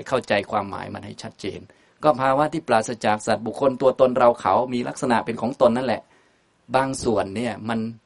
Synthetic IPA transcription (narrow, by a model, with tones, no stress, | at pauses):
kʰa˥˩wt͡ɕa˧jkʰwaː˧mːa̰ː˩˦jma̰˧nha˥˩jt͡ɕʰa˦˥t̪̚t͡ɕḛː˧n | kɔː˥˩pʰaː˧waː˥˩t̪ʰiː˥˩plaː˨t̪̚sa˧t͡ɕaː˨˩k̚sa˨˩t̪̚bu˨˩kʰːo˧nt̪u˧ɐt̪o˧nɾa˧wkʰa̰˩˦wmiː˧la˦˥k̚sa˧na˨˩pe˧nkʰɔː˩˦ŋt̪o˧nːa˦˥nlɛ˨˩ʔ | baː˧ŋsu˨˩ənːi˥˩ɐma˧n